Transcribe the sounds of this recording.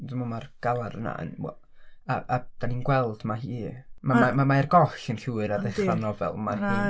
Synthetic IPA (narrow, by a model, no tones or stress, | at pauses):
dəmɔmarɡ̥alˠaɾəna̰ə̰nwɛ̰ | aʔad̥aninɡwɛlˠd̥maɦiːmamamamaɛrɡɔɬənɬuːɨɾadeanɔvɛ̰lˠmariː